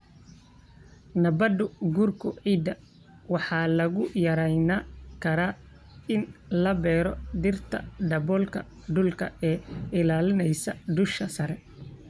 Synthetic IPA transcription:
nɐbɐd̪ʊɡuːrkʰʊʕiːd̪ɐ | wɑħɑːlɐɣʊjɐɾɛjnakʰɐɾaː | ɪnlɐbɛːɾɔd̪ɪrt̪ʰɐ̰ɖɐbɔːlkʰɐ̰ | ɖʊlkʰɐ̰ɛːɪlaːlɪnɛjsɐd̪ʊʃkʰɐsɐɾɛ

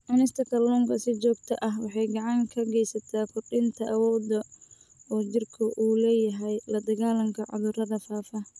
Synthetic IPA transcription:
ʕɑnɪst̪ʰɐkʰɐrlɔːŋkʰɐsɪt͡ʃɔːɡ̚t̪ʰɐʔɐɦwɑħɑjɡɑʕɑŋkʰɐɡɛjsɐt̪ʰaːkʰʊrɖɪnt̪ʰɐʔɐwɔːd̪ɐ | ɔːt͡ʃɪrkʰʊʔuːlɛːjɐɦɛjlɐd̪ɐɣaːlɐmkʰɐʕʊ̰ðʊrɐðɐfaːfɐ

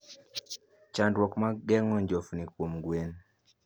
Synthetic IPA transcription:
t͡ʃandwɔkmaɡɛŋɔɲd͡ʒofnikwomɡwen

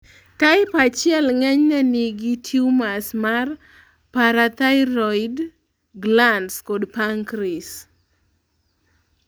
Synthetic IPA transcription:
kaɪpat͡ʃjɛlŋɛɲanɪɡitʰiumasmar | paɾat̪aɪɾɔjd | ɡlandskɔdpaŋkɾis

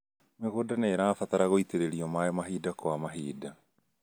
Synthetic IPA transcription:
meɣodaneɾaːfat̪aɾaɣoiteɾeɾiɔmaɔmaɦiːdakwamaɦiːda

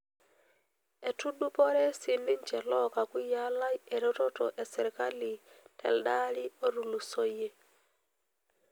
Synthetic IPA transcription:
etudupoɾesinːiɲt͡ʃɛlɔkakujalajeɾototoʔesɛɾkali | tʰɛ̰ldalioɾulusoje

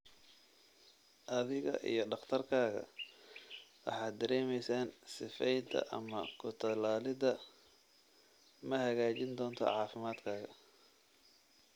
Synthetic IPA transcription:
ʔɐðɪɣɐ̰ʔḭjɞɖɑχt̪ʰɐrkʰaːɣɐ̰ | wɑ̰ħɑːd̪̚d̪ɐɾɛːmɛjsaːnsɪfɛjd̪ɐ̰ʔɐ̰mɐkʰʊt̪ʰɐlaːlɪðɐ | mɐhɐɣaːt͡ʃɪnd̪ɔːnt̪ʰɔ̰ʕɑːfɪmaːd̪kʰaːɣɐ

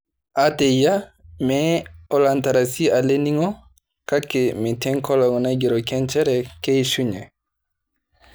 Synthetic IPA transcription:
ʔatɛjamɛɔlantaɾasialeniŋɔ | kakːɛmitɛŋkɔlɔŋɔnaɡiɾɔkɛnt͡ʃɛɾɛkejsuɲɛ

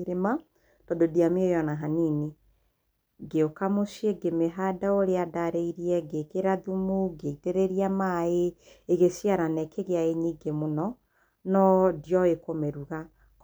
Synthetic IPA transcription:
ɾema | d̥ɔdodiameojɔnaɦanine | ɡeokamoʃjeɡemeɦadaoɾeadaɾɛiɾiɛɡekeɾaðumuɡeiteɾeɾiamae | eɣesiaɾanɛkeɣeaeɲiɡemonɔ | nɔdjɔekomeɾuɣa | k

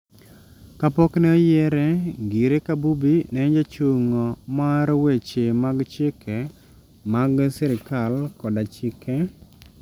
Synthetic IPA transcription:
kapɔknɛɔjɛɾɛɡiɾekabubinɛɲd͡ʒat͡ʃoŋɔmaɾwet͡ʃemaɡt͡ʃɪkʰɛ | maɡsɛɾɪkalkɔdat͡ʃɪkɛ

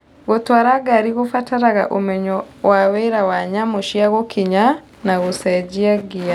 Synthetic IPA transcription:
ɣotwaɾaɡaɾiɣofataɾaɣa̰ʔomɛɲɔ | waweɾawaɲamoʃiaɣokʰiɲa | naɣosɛd͡ʒiaɡia

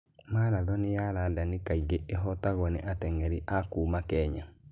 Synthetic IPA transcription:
malaðɔnɪjaladanɪkaiɡeʔeɦɔtaɣɔnɛʔatɛŋɛɾiʔakuːmakɛɲa

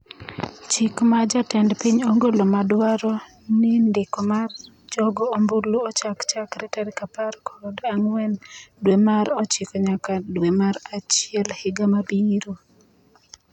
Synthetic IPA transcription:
t͡ʃɪkmad͡ʒatɛndpiɲoŋɡolɔmadwaɾɔ | nɪndɪkɔmar | d͡ʒɔɡɔombuluɔt͡ʃakt͡ʃakɾɛtaɾkapaɾkʰɔdaŋwɛndwemaɾɔt͡ʃɪkɔɲakadwemaɾat͡ʃɪɛlhɪɡamabiɾo

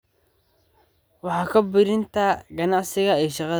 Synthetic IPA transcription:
wɑħɑːkʰɐbɪɾɪnt̪ʰɐɡɐnɑʕsɪɣɐɛjʃɑqɑ

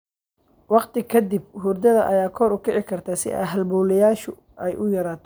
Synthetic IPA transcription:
wɑqt̪ʰɪkʰɐd̪ib̚ɦuːrd̪ɐðɐ̰ʔɐjaːkʰɔːɾʊkʰɛʕɪkʰɐrt̪ʰaːsɪ̰ʔɐ̰ɦɐlbɔːlɛjaːʃʊ | ɛjʔʊjɐɾaːt̪ʰɔ

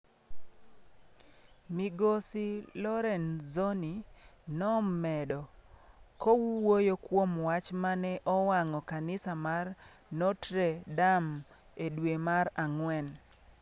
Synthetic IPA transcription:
miɡosilɔɾɛnzoninɔmɛdɔkɔwwojokwomwat͡ʃmanɛʔɔwaŋɔkanɪsamar | nɔtɾedam | edwemaraŋwɛn

